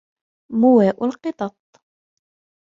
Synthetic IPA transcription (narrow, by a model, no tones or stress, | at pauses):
mʊwæːʔʊlqɨt̪ˤɑt̪̚ˤ